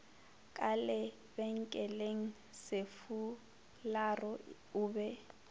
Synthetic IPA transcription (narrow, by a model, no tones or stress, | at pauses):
kʼalɛ | bɛŋ̩kʼɛleŋ̩ | sɪfu | larɔ | ʊːbɛ